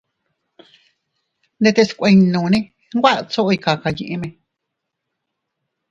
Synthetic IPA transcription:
nd̪e˧t̪e˧skʷẽ˧nũ˨˧˨nẽ˧ | ŋ˦ɡʷa˦ʔt͡so˦ʔo˧i˧ka˨ka˨˧ɲĩ˧ʔe˧mẽ˧

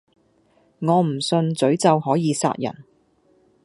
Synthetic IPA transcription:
ŋɔː˨˧m̩˨˩sɵ˧nt͡sɵ˨˥ɥt͡sɐ˨whɔː˨˥jiː˨˧sa̰ː˧t̚jɐ̰˨˩n

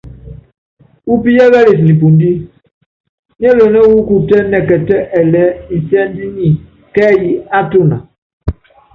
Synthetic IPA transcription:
u˦pi˦jɛ˦ɣɛ˦le˨s̬ni˨p̬u˨ndi˦ | ni˦ɛ˦lo˨nɛ˦wu˦ku˨tɛ˦nɛ˨kɛ˨tɛ˦ʔɛ˨lɛ˨˦n̩˨sɛ˦n˦di˦ɲi˨ | kɛ˦ji˨a˦to˦na̰˨

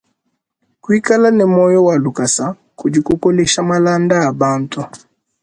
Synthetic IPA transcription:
kwi˦ka˦la˦nɛ˨mɔ˦jɔ˦wa˨lu˨ka˨sa˨˦ | ku˨d͡ʒi˨ku˦kɔ˦lɛʃa˦mala˦ndaː˦˨ba˦˨ntɔ˦

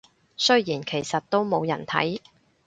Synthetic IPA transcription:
sɵ˥ɥjiː˨˩nkʰe˨˩jsɐ˨t̚t̪o˥wmo˨˧wjɐ˨˩nt̪ʰɐ̰˨˥j

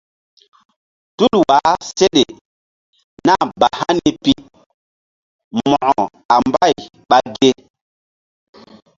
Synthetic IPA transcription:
tu˦lwa˨˦se˦ɗe˨ | na˦˨ba˨ha˦ni˦pi˦ | mɔ˨ʔɔ˨ | a˨mba˦˨j | ɓa˦ɡe˦

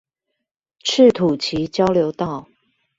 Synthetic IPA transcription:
ʈ͡ʂ̩ʰ˥˨t̪ʰu˨˩t͡ɕʰi˨˦t͡ɕjɑ˦ʊljo˧˥ʊt̪ɑ˥˨ʊ

